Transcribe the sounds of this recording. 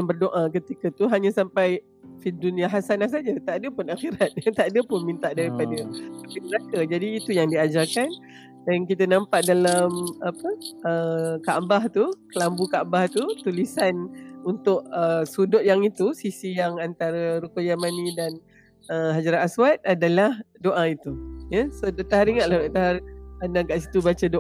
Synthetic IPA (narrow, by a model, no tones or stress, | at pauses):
jaŋbərdoʔak̬ət̪ikət̪uɦaɲãsampaj | fiduniaɦasanahsad͡ʒat̪aʔadəpʊnaxiɾat̪̚at̪aʔdəpʊnmint̪aʔdaɾipadətapiməɾakəd͡ʒadiːt̪ujaŋdiad͡ʒakan | dank̬it̪ənãmpaʔdalamapəəkabaht̪ukəlambukabaht̪ut̪ulisanunt̪ʊʔəsudʊt̪̚jaŋit̪usisijaŋant̪aɾəɾukojamanidan | əɦad͡ʒaɾaaswat̪̚adalahdoʔait̪ujəsodat̪aɦaɾiŋat̪̚lahdaʔt̪aɦaranaɡaʔsit̪ubat͡ʃədo